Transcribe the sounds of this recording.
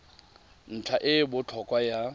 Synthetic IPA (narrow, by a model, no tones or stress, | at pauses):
n̩t͡ɬʰaʔɪbʊt͡ɬʰɔkʼwaja